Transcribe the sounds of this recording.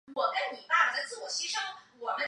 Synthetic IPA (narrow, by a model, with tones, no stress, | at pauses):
wɔ˨˩kə˥nni˨˩p̪a˥˩˧ə˦t͡sɹ̩˥˩wɔ˨˩ɕi˥ʂɤ˥ŋwɔ˨˩mə˦n